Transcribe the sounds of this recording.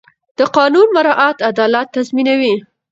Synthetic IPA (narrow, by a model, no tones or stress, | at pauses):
d̪̥əqɑnunmaɾɑʔat̪ad̪ɑlat̪ːazminawi